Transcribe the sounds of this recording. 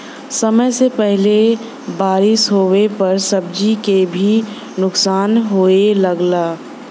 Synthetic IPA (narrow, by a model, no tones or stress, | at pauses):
sɐməjsepɛɦle | baːɾɪsɦowepɐɾsəb̚d͡ʒikebʱi | nʊksaːnɦoːelɐɡlaː